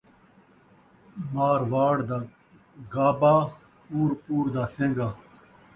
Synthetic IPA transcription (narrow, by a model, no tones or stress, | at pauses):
maːɾʋaːɽd̪aː | ɡaːbaː | puːɾpuːɾd̪aːsẽːŋɡaː